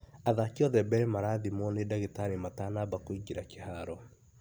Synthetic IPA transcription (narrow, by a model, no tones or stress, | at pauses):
aðakiɔðɛbɛɾemaɾaðimɔnedaɣitaɾimatanabakoiɡiɾakehaɾɔ